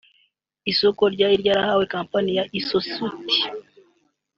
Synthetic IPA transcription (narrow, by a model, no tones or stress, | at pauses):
isoko̞ɾɟaːiɾɟaɾahawe̞kaːmpanijaʔisosuti̥